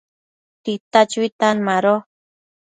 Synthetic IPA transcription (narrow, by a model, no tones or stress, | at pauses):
t̪it̪at͡ʃuit̪anmaɾo